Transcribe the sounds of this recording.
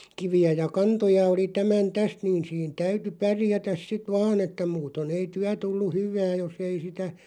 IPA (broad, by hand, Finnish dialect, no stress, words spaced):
kiʋiæ jɑ kɑntojɑ oli tæmæn tæst niːn̞ siːn tæyty pærjætæs sit ʋɑːn etːæ muːton ei tyæ tulːu hyʋˑæː jos ei sitæ